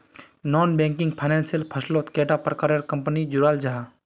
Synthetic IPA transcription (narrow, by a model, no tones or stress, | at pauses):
nɔːnbẽːŋkɪŋɡpʰajnẽːnsijəlpʰɐslot̪keːʈapɾəkaɾəɾkɐmpənid͡ʒuɾaːld͡ʒaɦa